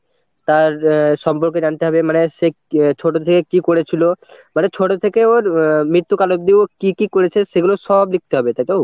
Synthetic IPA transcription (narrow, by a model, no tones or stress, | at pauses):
t̪aɾʃɔmpoɾked͡ʑant̪eɦɔbemaneʃe | t͡ɕʰoʈot̪ʰekekikoɽet͡ɕʰilomanet͡ɕʰoʈot̪ʰekeoɾmɾit̪ːukalob̚d̪ibokikikoɾet͡ɕʰeʃeɡuloʃɔblik̚t̪eɦɔbet̪ajt̪o